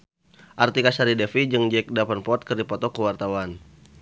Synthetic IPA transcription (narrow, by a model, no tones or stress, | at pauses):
ʔart̪ikasaɾidɛfid͡ʒɨŋd͡ʒɛk̚dapanpɔt̪̚kɨrdipɔt̪ɔkəwart̪awan